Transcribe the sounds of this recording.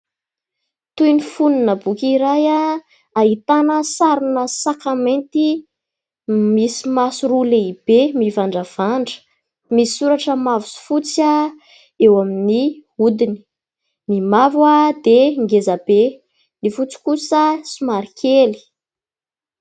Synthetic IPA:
t̪ujnifuninəbukʲiɾaja | aɦit̪anəsaɾunəsakamẽnt̪i | misimasuɾuleib̥emivaɳɖ͡ʐəv̥aɳɖ͡ʐə̥ | misi̥suɾaʈ͡ʂəmavusi̥fut͡sa | ewaminiud̪ini̥ | mimavwad̪eŋɡezab̥e | nifut͡si̥kusəsimaɾikʰeli̥

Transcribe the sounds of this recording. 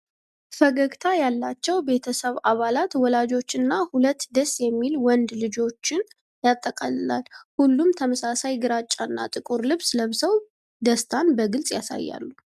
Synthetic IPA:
fəɡəɡt̪ʰajalːat͡ʃːɛwbe̞t̪ʰəsəβaβalat̪wɔlad͡ʒo̞t͡ʃːɨnːahulət̪ːd̪əsjɛmːilwɔnd̪lɨd͡ʒo̞t͡ʃːɪn | jat̪ʼːəkʼalɨlalhulːumt̪ʰəməsasajɡɨɾat͡ʃʼːanːa̰t̪ʼɨkʼuɾlɨβsləβsəw | d̪əst̪ʰanbəɡɨlsʼjasa̰jːa̰lːu

